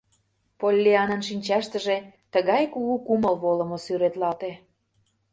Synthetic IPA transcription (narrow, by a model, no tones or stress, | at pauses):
polʲːeɑnənʃinʲt͡ɕɑʃt̪ə̆ʒet̪əɣɑjkuɣukuməlβolə̆mosyɾet̪lɑt̪e